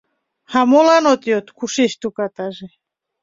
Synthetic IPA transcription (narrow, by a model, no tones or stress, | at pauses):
hamolanot̪jot̪kʰuʃeʃt̪ukat̪aʒe